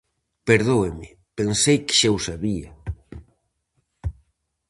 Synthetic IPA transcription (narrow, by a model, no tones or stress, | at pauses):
peɾðoemɪ | pensejkɪ̥ʃewsaβia